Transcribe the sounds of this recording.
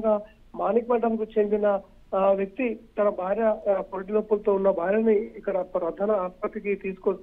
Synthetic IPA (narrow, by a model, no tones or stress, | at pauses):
ɡaː | maːnikʋɐʈɐmkut͡ʃend̪inɐ | ʋjɐk̚t̪it̪ɐnɐbʱaːɾjɐpolʈ̬ilopːulɐt̪o̞ːunːɐbʱaːɾjɐniːkːɐɽɐpɾɐd̪ʱaːnɐaːspɐt̪ːɾikit̪iːsu̥kos